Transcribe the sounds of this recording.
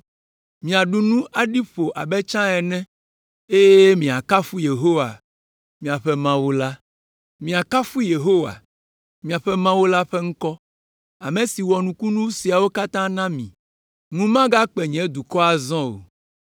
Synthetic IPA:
mĩ˨a˨ɖu˦nũ˦ʔa˦ɖi˦ɸo˨ʔa˨bɛ˦t͡ʃã˦ɛ˨nɛ̃˦ | e˦je˦mĩ˨a˨ka˦fu˦je˨ɦo˦wa̰˨ | mĩ˨a˨ɸɛ˦mã˦wo˦la˦ | mĩ˨a˨ka˦fu˦je˨ɦo˦wa̰˨ | mĩ˨a˨ɸɛ˦mã˦wo˦la˦ɸɛ˦ŋ̩˦kɔ˦ | a˨mẽ˨si˨wɔ˨nũ˨ku˦nũ˦si˨a˨wo˦ka˦t̪ã˦nã˦mĩ˨ | nũ˦mã˦ɡa˦k͡pɛ˨ɲɛ̃˨˦d̪u˨kɔ˦a˨zɔ̃˦o̰˨

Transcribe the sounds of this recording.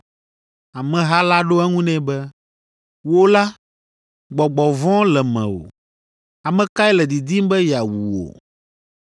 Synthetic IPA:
a˨mɛ̃˨ɦa˦la˦ɖo˦ɛ˦ŋũ˦nɛ̃˦bɛ˦ | wo˦la˦ | ɡ͡bɔ˨ɡ͡bɔ˨vɔ̃˦lɛ˨mɛ̰̃˨wo̰˨ | a˨mɛ̃˨ka˦ɛ˦lɛ˨d̪i˨d̪i˦m˦bɛ˦ja˨wu˨wo̰˨

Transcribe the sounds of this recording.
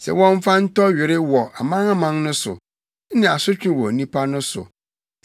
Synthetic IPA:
sɛ̰˨wɔ̃˦ɱ˦fa˦n̩˦tɔ˦ɥɪ˨ɾɪ˦wɔ˨ʔa˨mã˦ŋa˦mã˨nnʊ̃˦sʊ̰˨˦ | nɪ̃˨a˨sʊ˦t͡ɕᶣɪ̃˦wɔ˨nĩ˦pʰa˦nʊ̃˦sʊ̰˨

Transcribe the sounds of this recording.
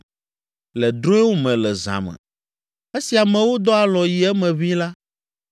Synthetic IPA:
lɛ˨d̪ɾõ˦ɛ˦wo˦mɛ̃˨lɛ˨zã̰˨mɛ̰̃˨ | e˦si˨a˨mɛ̃˨wo˦d̪ɔ˦a˨lɔ˨ji˨ɛ˦mɛ̃˨βĩ˦la˦

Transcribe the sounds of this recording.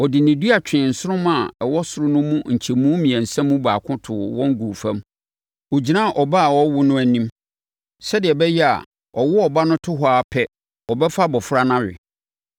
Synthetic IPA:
ɔ˨dɪ˨nɪ̃˨du˦a˨t͡ɕᶣɪ̃˨n̩˨sʊ˦ɾʊ̃˦mã˨ɛ˨wɔ˦sʊ˨ɾʊ˦nʊ̃˦mũ˦ɲ̩˨t͡ɕʰi˨mũ˦mĩ˨æ̃˨n̩˨sæ̃˦mːũ˦ba̰ː˨kʰʊ̃˦tʰʊ˨wɔ̃˦ŋ˦ɡu˨fæ̃˦m | wo˨d͡ʑi˨nã˦˨ʔɔ˨ba˦a˨wɔ˦wʊ˦nʊ̃˦æ˨nĩ˦m | sɛ˦dɪ˨ɛ˨bɛ˦jɛ˦a̰˨ | ɔ˨wʊ˦ɔ˨ba˦nʊ̃˦tʰʊ˦ɦɔ˨˦a˨pʰɛ˦ | ɔ˨bɛ˦fa˦bɔ˨fʊ˦ɾa˦nã˦ɾɪ̰˨

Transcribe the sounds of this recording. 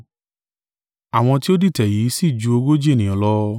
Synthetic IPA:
a˨w̃ɔ̃˧ti˦o˦di˦˨tɛ˨ji˨˦si˦˨d͡ʒu˧o˧ɡo˦d͡ʒe˦˨nĩ˨ɔ̃˨˦lɔ˦

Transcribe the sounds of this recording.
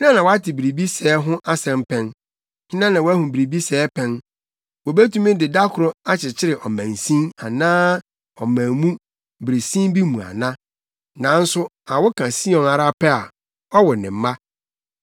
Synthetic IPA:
ɪ˦nã˦nã˨wɔ˨˦a˦tʰɪ˨bi˨ɾi˨bi˦sɛː˦ɦʊ̃˦ʔa˦sɛ̃˨m˦pʰɛ̃˦n | hɪ̃˦nã˦nã˨wɔ˦æ˦hũ˨bi˨ɾi˨bi˦sɛː˨˦pʰɛ̃˦n | wɔ˨be˦tũ˦mɪ̃˦dɪ˨da˦kʰʊ˨ɾʊ˦a˦t͡ɕʰɪ˨t͡ɕʰɪ˦ɾɪ˨ʔɔ˨mæ̃˨n˨sĩ˦na˨nãː˦ | ɔ˨mæ̃˨mũ˦ | bɾe˨sĩ˦bi˦mũ˨a̰˨nã˦ | nã˨˦n̩˦sʊ˦ | a˨wʊ˦kʰã˨si˦ɔ̃˨na˨ɾa˦pʰɛ˦a˨ | ɔ˦wɔ˨nɪ̃˨m̩˦ma˦

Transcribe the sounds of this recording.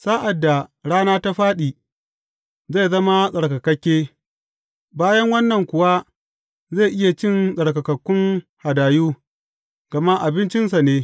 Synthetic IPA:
saː˦ʔa˨dːa˨ɽaː˦naː˦ta˦ɸaː˦ɗiː˨ | ze˦˨zɐ˦ma˦sʼɐ˨ɽkɐ˨kɐ˦kʲːeː˦ | baː˦jɐ˦ŋwɐ˦nːɐ˨ŋkʷʊ˨wa˦ | ze˦˨ʔɪ˦ja˨t͡ʃɪ˦nsʼɐ˨ɽkɐ˨kɐ˨kʷːʊ˦ŋha˨daː˨juː˦ | ɡ̥ɐ˨ma˦ʔa˨bɪ˦nt͡ʃɪ˦nsa˨neː˦

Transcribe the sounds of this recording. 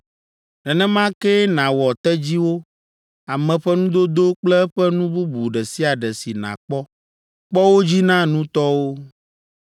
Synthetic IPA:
nɛ˨nɛ̃˦mã˦kɛ˦nã˨wɔ˨t̪ɛ˦d͡ʑi˦wo˦ | a˨mɛ̃˨ɸɛ˦nũ˦d̪o˦d̪o˦k͡plɛ˦ɸɛ˦nũ˦bu˦bu˨ɖɛ˨si˦a˨ɖɛ˨si˨nã̰˨k͡pɔ˦ | k͡pɔ˦wo˦d͡ʑi˦nã˦nũ˦t̪ɔ˦wo˦

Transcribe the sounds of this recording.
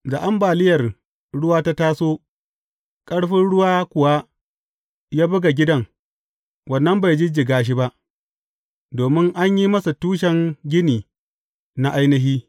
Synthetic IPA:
za˨ʔa˦mbaː˨lɪ˦jɐ˨r | ɽʊ˦waː˦ta˦taː˦soː˦ | kʼɐ˦ɽɸɪ˦nɽʊ˦waː˦kʷʊ˨wa˦ | jaː˦bʊ˦ɡa˨ɡʲɪ˦dɐ˦ŋ | wɐ˨nːɐ˦mba˨jd͡ʒɪ˦d͡ʒɪ˨ɡaː˦ʃ̬i˦ba˦ʔ | doː˨mɪ˦ŋʔa˦ɲji˦mɐ˦sa˨tuː˦ʃ̬ɛ˨ŋɡʲɪ˦niː˨ | na˦ʔa˦jnɐ˦ɦiː˦

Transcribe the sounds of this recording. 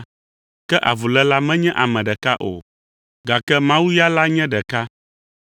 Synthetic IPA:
kɛ˦ʔa̰˨vu˨lɛ˦la˦mɛ̃˦ɲɛ̃˦ʔa˨mɛ̃˨ɖɛ˨ka˦ʔo̰˨ | ɡa˨kɛ˦mã˦wu˦ja˦la˦ɲɛ̃˦ɖɛ˨ka˦

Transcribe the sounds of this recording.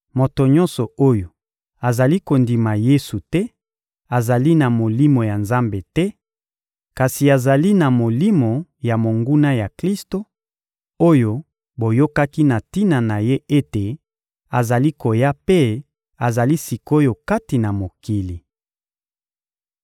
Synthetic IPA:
mo˨to˨ɲɔ̃˦nsɔ˨o˦jo˨ | a˨za˨li˦ko˨ndi˨ma˨je˦su˨tɛ˦ | a˨za˨li˦na˨mo˨li˦mo˨ja˨nza˦mbe˨tɛ˦ | ka˨si˨a˨za˨li˦na˨mo˨li˦mo˨ja˨mo˨ŋɡu˦na˦ja˨kli˦sto˨ | o˦jo˨ | bo˨jo˦ka˦ki˦na˨ti˦na˨na˨je˦e˦te˨ | a˨za˨li˦ko˨ja˦pe˦ | a˨za˨li˦si˨ko˦jo˨ka˦ti˨na˨mo˨ki˨li˨

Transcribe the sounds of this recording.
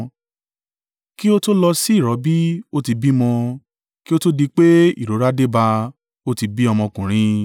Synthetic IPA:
ki˦o˦to˦lɔ˧si˦i˦˨ɾɔ˨˦bi˦o˦ti˧bi˦mɔ̃˧ | ki˦o˦to˦di˧k͡pe˦ḭ˦˨ɾo˨˦ɾa˦de˦ba˧ | o˦ti˧bi˦ɔ˧mɔ̃˧kũ˨ɾ̃ĩ˧

